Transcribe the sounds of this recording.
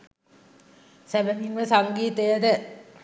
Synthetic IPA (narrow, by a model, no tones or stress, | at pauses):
seʋəniŋʋəsaŋɡiːt̪əjəd̪ə